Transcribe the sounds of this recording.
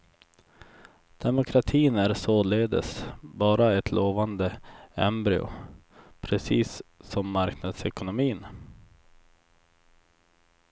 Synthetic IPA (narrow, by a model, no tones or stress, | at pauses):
d̪̥ɛmʊkʰɾat̪ʰiːnæɾsoːleːd̪ə̰sbɑːɾaɛt̪ʰlʔoːvand̪əɛ̰mbɾɪ̰ʊ̰ | pʰɾɛsiːsːɔmːaɾknad̪sɛkʊnʊmiːn